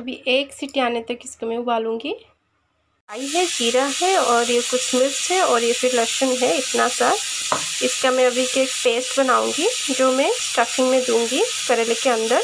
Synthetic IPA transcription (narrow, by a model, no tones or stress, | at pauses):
ɐbʱiʔeːksɪʈiaːnet̪ɐkɪskamɛ̃ʊbaːlũːŋɡi | aːiɦɛd͡ʒiːɾaɦɛɔːɾjekusmɪɾsɦɛɔːɾjefʰɪɾlɐkʃənɦɛɪt̪nasa | ɪskamɛ̃ɐbʱikeːk̚peːsʈbɐnaːṵ̃ːŋɡi | d͡ʒoːmɛ̃sʈaːfɪ̃ŋɡmẽd̪ũːŋɡikɐɾeːlekeɐ̃nd̪əɾ